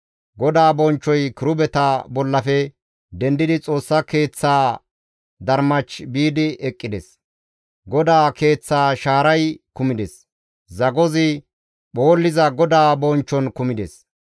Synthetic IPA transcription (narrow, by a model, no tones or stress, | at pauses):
ɡɔd̪aːbɔnt͡ʃːɔjkɪɾʊbɛt̪abɔlːɐfɛ | d̪ɛnd̪ɪd̪ɪt͡sʼo̞ːsːɐke̞ːt͡sːaː | d̪ɐɾmɐt͡ʃbiːd̪ɪʔɛkʼːɪd̪ɛs | ɡɔd̪aːke̞ːt͡sːaːʃaːɾɐjkʊmɪd̪ɛs | zɐɡɔzɪ | ɓo̞ːlːɪzɐɡɔd̪aːbɔnt͡ʃːɔnkʊmɪd̪ɛs